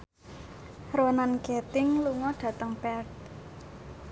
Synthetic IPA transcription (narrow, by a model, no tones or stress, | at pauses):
roənankɛt̪ɪŋluŋɔɖ̥ä̤t̪əŋpɛrt̪̚